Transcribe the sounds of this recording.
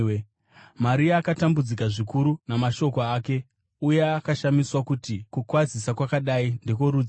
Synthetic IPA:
maɾiaːkatambud͡zikaʐikuɾunamaʃo̞koaːke̞ | uje̞akaʃamiswakutikukwazisakwakaɗainde̞koɾuːd͡z

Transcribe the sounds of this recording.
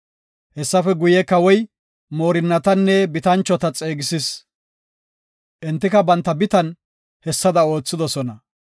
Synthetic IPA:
hɛsːɐfɛɡʊjɛkɐwɔj | mo̞ːɾɪnːɐt̪ɐnːɛbɪt̪ɐnt͡ʃːɔt̪ɐt͡sʼeːɡɪsɪs | ʔɪnt̪ːɪkɐbɐnt̪ːɐbɪt̪ɐn | hɛsːɐd̪ɐo̞ːt͡sːɪd̪ɔsɔnɐ

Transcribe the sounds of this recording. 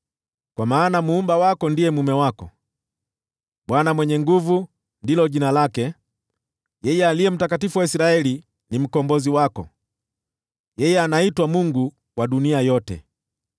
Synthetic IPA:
kwamaːnamuːmbawakɔndiɛmumɛwakɔ | ɓwanamwɛɲɛŋɡuvu | ndilɔʄinalakɛ | jɛjɛalijɛm̩takatifuwaisiɾaɛli | nim̩kɔmbɔziwakɔ̰ | jɛjɛanaitwamuŋɡu | waɗuniajɔtɛ̰

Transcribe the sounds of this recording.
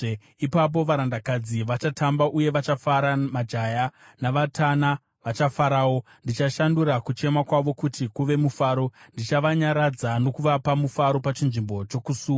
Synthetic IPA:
ipap̬o̞ʋaɾandakad͡ziʋat͡ʃatʰambaʔuje̞ʋat͡ʃafaɾamad͡ʒaja | naʋatʰana | ʋat͡ʃafaɾaːwo̞ | ndit͡ʃaʃanduɾakut͡ʃe̞makwaʋo̞kutikuʋe̞mufaːɾo̞ndit͡ʃaʋaɲaɾad͡zano̞kuʋapamufaɾo̞pat͡ʃinʐimbo̞t͡ʃo̞kusuːa

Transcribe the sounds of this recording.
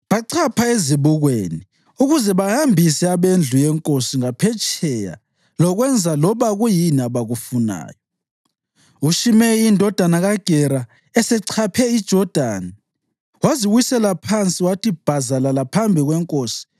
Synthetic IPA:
βaǀʰapʰaeziβuɣwḛni | uɣuzɛβahambʱisɛaβend͡ɮʱujɛŋkʼosiŋapʰɛt͡ʃʼɛja̰ | lɔɣwɛnd͡zʱalɔβaɣujiniaβaɣufuna̰ːjɔ | uʃimɛindʱɔd̥ʱanaɣaɡ̥ʱɛɾa | ɛsɛǀʰapʰɛid̥ʒ̥ʱɔd̥ʱaːni | waziɣwisɛlapʰant͡sʼiwatʰib̥ʱazalalapʰambʱiɣwɛŋkʼoːsi̥

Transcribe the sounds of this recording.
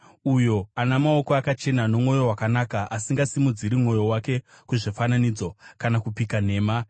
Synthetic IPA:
ujo̞anamao̞ko̞akat͡ʃe̞nano̞mŋo̞jo̞wakanakaʔasiŋɡasimud͡ziɾimŋo̞jo̞wake̞ | kuʐefananid͡zo̞kanakupikane̞ːma

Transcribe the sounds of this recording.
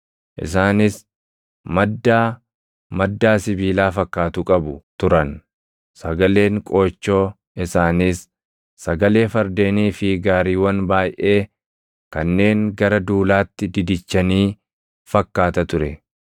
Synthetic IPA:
ʔɪ̰s̬aːnɪs | mɐd̪ːaː | mɐd̪ːaːsɪbiːlaːfɐkːaːt̪ʊkʼɐbʊt̪ʊɾɐn | sɐɡɐle̞ːŋkʼo̞ːt͡ʃːo̞ː | ɪsaːnɪsː | ɐɡɐle̞ːfɐɾd̪e̞ːniːfɪɡaːɾiːwɐnbaːjʔe̞ː | kɐnːe̞ːŋɡɐɾɐd̪uːlaːt̪ːɪd̪ɪd̪ɪt͡ʃːɐniː | fɐkːaːt̪ɐt̪ʊɾɛ̰

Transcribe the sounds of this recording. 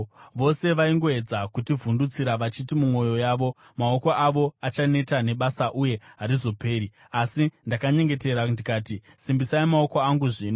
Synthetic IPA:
ʋo̞se̞ʋaiŋɡo̞e̞d͡zakutivundut͡siɾaʋat͡ʃitimumwo̞jo̞jaːʋo̞ | mao̞koʔaʋo̞at͡ʃane̞tane̞ɓasaʔuje̞ɦaɾizo̞pe̞ːɾi | asindakaɲe̞ŋɡe̞te̞ɾandikaːti | simbisaimao̞koaŋɡuʐiːno

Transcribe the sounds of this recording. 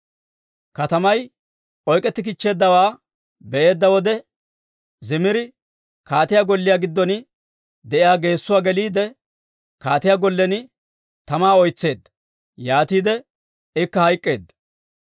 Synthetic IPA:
kɐt̪ɐmɐj | ʔɔjkʼɛt̪ːɪk̬ɪt͡ʃːe̞ːd̪ːɐwaː | bɛʔe̞ːd̪ːɐwɔd̪ɛ | zɪmɪɾɪ | kaːt̪ɪjaɡɔlːɪjaɡɪd̪ːɔn | d̪ɛʔɪjaːɡe̞ːsːʊwaːɡɛliːd̪ɛ | kaːt̪ɪjaɡɔlːɛnɪ | t̪ɐmaːɔjt͡sːe̞ːd̪ːɐ̥ | jaːt̪iːd̪ɛ | ɪkːɐhɐjkʼːe̞ːd̪ːɐ̥

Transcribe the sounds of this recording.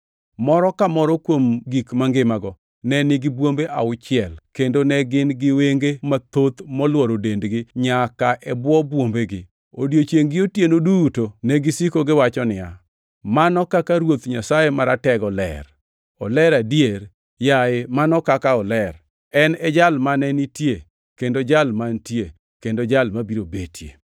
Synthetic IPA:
mɔɾɔkamɔɾɔkwomɡikmaŋɡɪmaɡɔ | nɛnɪɡɪbwombeʔa̰ʊt͡ʃɪɛlkendonɛɡɪnɡɪweŋɡemat̪ot̪mɔlwɔɾodendɡɪɲakaʔɛbwɔbwombeɡɪ̰ | odjot͡ʃjeŋɡɪotjenodutonɛɡɪsikoɡɪwat͡ʃɔnɪja̰ | manɔkakaɾwot̪ɲasajemaɾatɛɡɔlɛ̰ɾ | ɔlɛɾadjeɾ | jaɪmanɔkakaɔlɛɾ | ɛnɛd͡ʒalmanɛnitje | kendod͡ʒalmantje | kendod͡ʒalmabiɾobetʰjḛ

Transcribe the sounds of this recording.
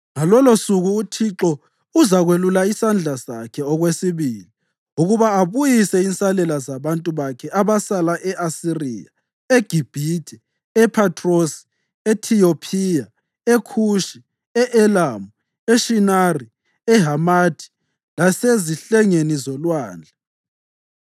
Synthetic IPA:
ŋalɔlosuɣuːtʰiǁɔ | uzaɣwelulaisand͡ɮʱasa̰kʰɛɔɣwesiβiːli | uɣuβaaβujisɛinsʼalɛlazaβantʼuβakʰɛaβasalaʔɛʔasirḭːja̰ | eɡ̥ʱib̥ʱitʰʼɛ | ɛpʰatʼʰrosi̥ | etʰijopʰija | ekʰuʃi | ɛʔɛlamu | eʃinari | ɛɦamatʰi̥ | laseziɬɛŋenizɔlwaːnd͡ɮʱa

